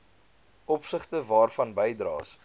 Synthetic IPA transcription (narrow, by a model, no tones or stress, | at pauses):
ʔɔpsəχtəvɑːrfɐnbəjdrɑ̰ːs